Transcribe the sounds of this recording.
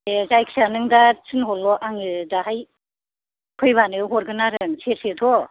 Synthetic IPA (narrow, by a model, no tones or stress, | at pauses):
ezajkʰsanɯŋdatʰɯnɦɔlːɔʔaŋɯdaɦaj | kʰɯjβanɯɦɔɾɡɯnaɾɯŋsʰesetʰɔ